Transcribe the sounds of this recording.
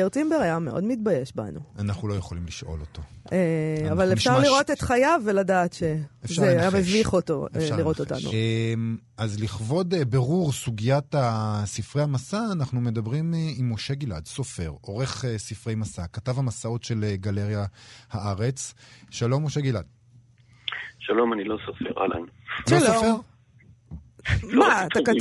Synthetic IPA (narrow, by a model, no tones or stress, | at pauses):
aʁt͡simbeʁajameʔo̞̰dmitbajeʃba̰nṵanaχnulo̞jeχo̞limliʃʔo̞̰lo̞to̞eavalefʃaʁliʁot̪et̪χajaveladaːtʃeefʃazʁeajameviχoto̰liʁot̪ota̰nṵm | azliχvo̞debeʁuʁsuɡijatasifʁejamasaːnaχnume̞dabʁimimːoʃe̞ɡila̰dsofe̞̰ʁo̞ʁe̞χesifʁejmasakatavhamasao̞tʃe̞lɡaleʁjahaʔaʁet͡sʃalo̞mːoʃe̞ɡilad̚ | ʃalo̞manilosofḛʁa̰la̰nʃolofeʁ | mat̪aka